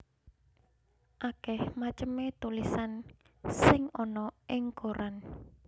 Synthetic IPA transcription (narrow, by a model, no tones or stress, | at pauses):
ʔakɛhmat͡ʃəmet̪ulisan | sɪŋɔnɔʔɪŋkoɾan